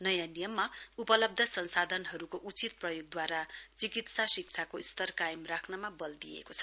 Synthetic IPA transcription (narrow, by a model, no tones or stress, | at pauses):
nʌjãnijʌmːaupʌlʌb̚d̪ʱʌsʌnsad̪ʱʌnɦʌɾukoʔut͡sit̪̚prʌjoɡ̚d̪waɾat͡sikit̪sasik̚t͡sʰakoist̪ʌrkajʌmrakʰnʌmabʌld̪ijḛkot͡sʰʌ̥